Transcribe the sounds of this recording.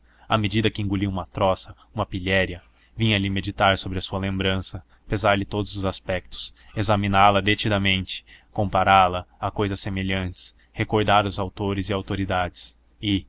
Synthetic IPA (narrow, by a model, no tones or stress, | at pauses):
amed͡ʒid̪ɐkɪĩŋɡuliũmɐt̪ɾɔsɐ | ũmɐpiʎɛɾjɐ | vĩɲɐlɪmed͡ʒit̪aɾsobɾɪɐsuɐlẽmbɾɐ̃sɐ | pezaɾlɪt̪od̪ʊzʊzaspɛk̚t̪ʊ̥sezɐmĩnalɐd̪et͡ʃid̪ɐmẽnt͡ʃɪ̥kõmpaɾalɐakojzɐsːemeʎɐ̃nt͡ʃɪ̥s | hekoɾd̪aɾʊzawt̪oɾɪzɪawt̪oɾid̪ad͡ʒɪs | ɪ